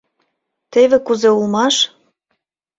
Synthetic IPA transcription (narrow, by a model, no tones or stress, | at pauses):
t̪eβekuzeulmɑʃ